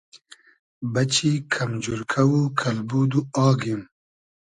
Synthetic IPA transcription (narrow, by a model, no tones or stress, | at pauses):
bɐt͡ɕikʰɐmd͡ʒuɾkʰɐwukʰɐlbud̪uɑːɡim